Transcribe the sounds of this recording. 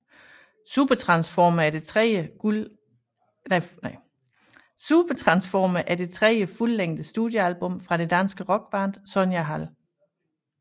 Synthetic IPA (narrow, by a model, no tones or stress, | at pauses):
sub̥ɐt͡sʰʁɑ̈nsfɒməæɐd̥e̝ʁə̥ | sub̥ɐt͡sʰʁɑ̈nsfɒːməʔæɐd̥e̝t͡sʰʁɛjəfulːeŋ̰d̥əsd̥ud̥jəælb̥ɔ̽mfʁɑ̈ɾ̥e̝d̥ænsɡ̥əʁɒ̽ɡ̥̚b̥ɑ̈ːnd̥sɔ̽njæɦæl